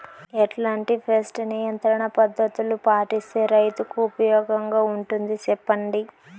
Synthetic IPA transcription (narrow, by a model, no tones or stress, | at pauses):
ɛʈlaːɳʈipʰesʈnijɐnt̪ɾɐɳɐpɐd̪ʱːɐt̪ulupaːʈist̪eːɾɐjt̪ukuupɐjɔːɡɐŋɡaːuɳʈund̪it͡ʃɛpːɐɳɖi